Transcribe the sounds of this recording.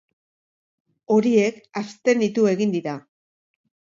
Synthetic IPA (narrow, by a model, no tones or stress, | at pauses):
o̞ɾie̞kast̪e̞nit̪ue̞ɣind̪iɾa